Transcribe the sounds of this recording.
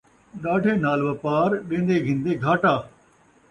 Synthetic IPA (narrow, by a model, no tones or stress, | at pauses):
ɗaːɖʱeːnaːlʋəpaːɾɗẽːnd̪eːɡʱɪ̃nd̪eːɡʱaːʈaː